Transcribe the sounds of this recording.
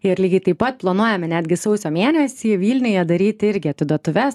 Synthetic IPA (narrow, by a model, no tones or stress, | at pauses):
ɪɾlʲiːɡʲɐɪt̪ɐɪpɐt̪̚plˠɐnuɔjɛmʲɪnʲæːd̪ʲɡʲɪsɒʊsʲoːmʲeɛːnʲɛsʲiːʋʲiːlʲnʲʊjɛd̪ɐɾʲiːt̪ʲɪɾʲɡʲɪɐt̪ʲʋʲɪd̪oɔt̪ʊʋʲɛs